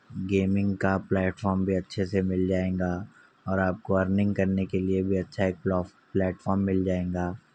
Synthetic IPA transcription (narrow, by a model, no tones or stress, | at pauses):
ɡeːmɪ̃ŋɡkaplɛːʈfɔːɾmbʱiɐtːʃʰesemɪld͡ʒaːẽːɡaː | ɔːɾaːp̚koʋɐɾnɪ̃ŋɡkɐɾnekeliebʱiɐtːʃʰaeːk̚ː | plɛːʈfɔːɾmːɪld͡ʒaːẽːŋɡaː